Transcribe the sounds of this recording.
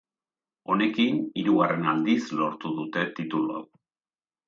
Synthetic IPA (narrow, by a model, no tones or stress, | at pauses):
o̞ne̞kiniɾuɣare̞nald̪islo̞ɾt̪uðut̪e̞t̪it̪ulua̰